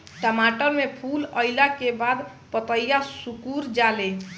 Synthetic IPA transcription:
ʈəmaʈəɾmepʰuləjlakebad̪ | pət̪əjjasukuɾd͡ʒale

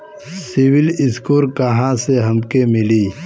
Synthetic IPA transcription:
siwɪlɪskoːɾkɐɦãseɦɐmkemɪliː

